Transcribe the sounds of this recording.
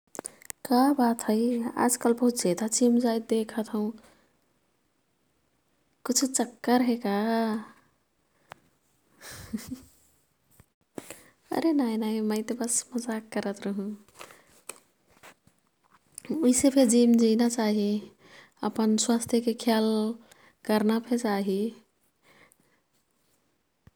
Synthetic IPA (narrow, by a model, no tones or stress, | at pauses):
kabat̪ʰɦəɪa̰d͡ʒkəlbəɦut̪d͡ʒed̪ad͡ʒimd͡ʒajt̪̚d̪ekʰət̪ʰɦũ | kit͡ʃʰut͡ʃəkːəɾɦeka | ə̰ɾenajnaiməɪt̪ebəsməd͡ʒakːəɾət̪ɾəɦũ | uisepʰeɾd͡ʒimd͡ʒinat͡ʃaɦi | əpənswast̪ʰjəkekʰjal | kəɾnapʰet͡ʃaɦi